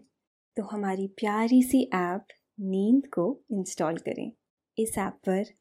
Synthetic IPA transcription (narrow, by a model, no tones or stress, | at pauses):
t̪oɦɐmaːɾipjaːɾisiʔɛːp | niːnd̪koɪ̃nsʈɔːlkɐ̰ɾḛ̃ː | ɪsɛːppɐɾ